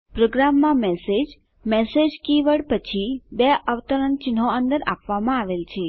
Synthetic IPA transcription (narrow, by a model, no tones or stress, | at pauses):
pɾoɡɾamːãmɛsed͡ʒ | mɛsed͡ʒkiʋəɽpət͡ʃʰibeəʋt̪əɾənt͡ʃɪnɦoənd̪əɾa̰pʋamãaʋelt͡ʃʰe